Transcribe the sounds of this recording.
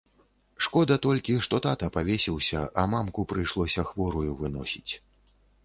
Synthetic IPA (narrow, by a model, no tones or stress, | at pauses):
ʂkɔd̪ɐt̪ɔlʲkʲiʂt̪ɔt̪at̪ɐpavʲesʲiwsʲɐʔɐmamkupɾɨjʂlˠɔsʲɐxvɔɾujuvɨnɔ̰sʲit͡sʲ